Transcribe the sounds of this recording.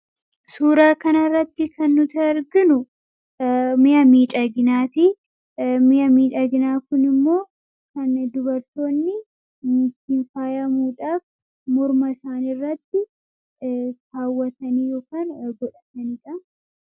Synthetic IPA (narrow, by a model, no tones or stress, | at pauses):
suːɾaːkɐnɐrːɐt̪ːɪkɐnːʊt̪ɐɾɡɪnʊ | mɪjɐmiːᶑɐɡɪnaːt̪i | mɪjɐmiːᶑɐɡɪnaːkʊnɪmːo̞ː | kɐnd̪ʊbɐɾt̪o̞ːnːɪ | mʊt̪infaːjɐmuːᶑaːf | mɔɾmɐɪsaːnɪrːɐt̪ːɪ | taːwːɐt̪ɐniːjoːkaːnɡɔᶑɐt̪ɐniːᶑɐ